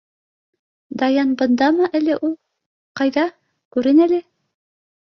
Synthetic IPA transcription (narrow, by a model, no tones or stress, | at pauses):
d̪ɑjɑnbɤ̆nd̪ɑmɤʔælɘʔulˠ | qɑjðɑ | kʉɾɘnælɘ